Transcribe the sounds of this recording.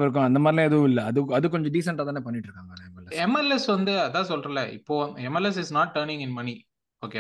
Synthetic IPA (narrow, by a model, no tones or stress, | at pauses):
ɪɾɯk̬ːʊ̃ɐnd̪ɐmaːðɪlĩɛðɐʋʊ̃ɪlːɐɐðɯɐðɯkɔɲd͡ʒɔ̃ɖiːs̬ɐɳʈaːt̪aːneːpɐnːɪʈːɾɯkːaːŋɡɐɐɛmɛlɛsɛmɛlɛsʋɐnd̪ɯɐðãːsɔlɾɐlɐʔɪ̰pːoːɛmɛlɛs̬ɪsnaːʈ̚ʈːɐɾnɪ̃ŋɡɪnmɐni | oːke